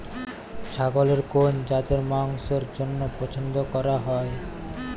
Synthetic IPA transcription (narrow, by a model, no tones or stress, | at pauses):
t͡ɕʰaɡoleɾkond͡ʑat̪eɾmaŋsoɾd͡ʑonːopɔt͡ɕʰond̪okɔɾaɦɔe